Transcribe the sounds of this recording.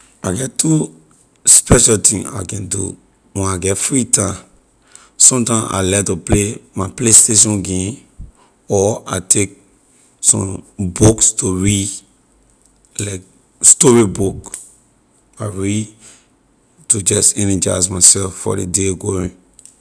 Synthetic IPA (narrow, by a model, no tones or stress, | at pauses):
aɡɛttʰːu | spɛʃaltĩŋa̰ɪkɛ̃ndṵ | wɛ̃naɡɛtfɹitʰã | sɔ̃mtãɪ̃ma̰lɛtuplemaɪplesteʃɔ̃nɡẽm | ɔatʰek̚ | sɔ̰̃mbukstuɹi | laɪk̚ | stɔɹibuk | aɹi | tud͡ʒɔsɛnid͡ʒaɪsmaɪsɛlfːɔ̰ɾḛdeɡoɹĩ